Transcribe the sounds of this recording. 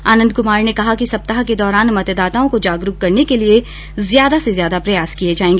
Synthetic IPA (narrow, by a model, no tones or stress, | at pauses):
aːnə̃nd̪̚kʊmaːɾnekɐɦakisɐp̚t̪aɦaked̪ɔːɾaːnmɐt̪d̪aːt̪aõkod͡ʒaːɡɾukkɐɾnekelie | zjaːd̪asezjaːd̪apɾɐjaːskied͡ʒaːẽːŋɡeː